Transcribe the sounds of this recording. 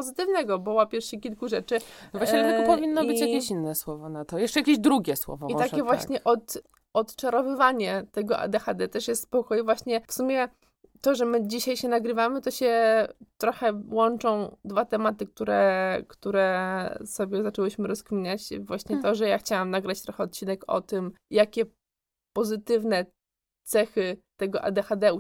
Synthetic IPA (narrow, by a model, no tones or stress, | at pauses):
pɔzɘt̪ɘvnɛɡɔbɔwapʲjɛɾfʂɛkʲilkuʐɛt͡ʂɘvwaɕlɛt̪ɛɔpɔvʲinːɔbɘt͡ɕjakʲeɕinːɛswɔvɔnat̪ɔjɛʂt͡ʂɛjakʲeʑd̪ɾuɡʲɛswɔ̰vɔ̰it̪akʲɛvwaɕɲɛʔɔt̪ | ɔt̪t͡ʂaɾɔvɘvaɲɛt̪ɛɡɔʔa̰d̪ɛxad̪ɛt̪ɛʂjɛst̪spɔkɔjvwaɕɲɛfsumʲjɛ | t̪ɔʐɛmɘd͡ʑiɕajɕɛnaɡɾɘvamɘt̪ɔɕɛt̪ɾɔxɛwɔnt͡ʂɔ̃w̃d̪vat̪ɛmat̪ɘk̚t̪uɾɛkt̪uɾɛsɔbʲjɛzat͡ʂɛwɘɕmɘɾɔskmʲiɲat͡ɕvwaɕɲɛt̪ɔʐɛjaxt͡ɕawamnaɡɾat͡ɕt̪ɾɔxɛɔt̪̚t͡ɕinɛkɔ̰t̪ɘm | jakʲɛ | pɔzɘt̪ɘvnɛ | t̪sɛxɘt̪ɛɡɔʔa̰d̪ɛxad̪ɛu